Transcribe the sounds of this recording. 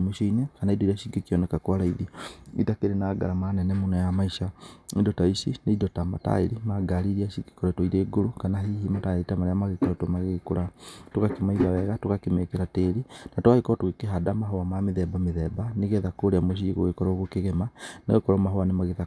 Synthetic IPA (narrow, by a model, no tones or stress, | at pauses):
moʃoinekanaidoiɾaʃiɡekiɔnɛkakwaɾaiðiitakeɾenaːɡa̰ɾamanɛnɛmonɔjamaiʃaedɔtaisineidɔtama̰ta̰ḛɾimaɡaɾiɾiaʃiɡe̥kɔɾɛtoiɾeːɡoɾokanaɦiɦimataeɾitamaɾeamaɣekoɾɛtomaɣekoɾatokakemaiðawɛɣatokakemekeɾateːɾinatoaɣekɔtoɣekeɦadamaɦoamameðɛbameðɛbaneɣɛðakoɾeamoʃ̬iɣo̰ɣekɔɾɔɣokeɣemana̰ɣekɔɾɔmaɦoanemaɣeða